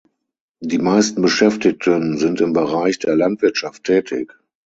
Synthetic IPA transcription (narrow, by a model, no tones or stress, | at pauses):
diːmaɪstn̩bəʃɛftɪk̚tʰənzɪntɪmbəʁaɪçd̥eːɐlantv̥ɪɐtʃaftʰːɛːtʰɪ̰k